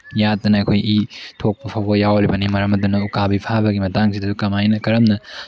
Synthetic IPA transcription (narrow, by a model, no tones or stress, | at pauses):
jatːɐnɐɐkʰojitʰok̚pɐpʰawbɐjawɾibɐnimɐɾɐmɐdunɐukabipʰabɐɡimɐtaŋsidɐdukɐmajnɐkɐɾɐmnɐ